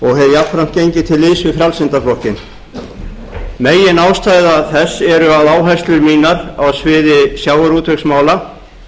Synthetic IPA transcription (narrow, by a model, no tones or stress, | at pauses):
ɔɣhɛɾjapfɾam̥t̪̚cejɲcɪt̪ʰɪlːɪːsvɪfɾjalsɪnt̪aflɔhcɪn | meːjɪnaːwst̪aːjðaθɛsːɛɾʏaðaːwɦajst̪lʏɾmiːnaɾawsvɪːðɪsjaːwaɾuːt̪ʰœksmaːwla